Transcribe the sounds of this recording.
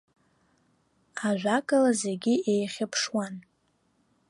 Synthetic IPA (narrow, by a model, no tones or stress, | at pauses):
aʒᶣʷakʼalazeɡʲiʔejχʲapʰʂwan